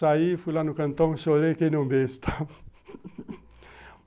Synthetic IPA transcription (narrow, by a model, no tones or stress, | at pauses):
aifulanukənt̪ɔŋsoɾekenombest̪ʰa